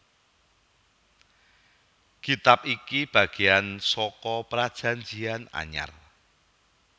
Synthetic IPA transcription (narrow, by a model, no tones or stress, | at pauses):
kit̪ap̚ikib̥a̤ɡ̥e̤ansɔkɔpɾad̥ʒ̥ä̤ɲd͡ʒiana̰ɲa̰r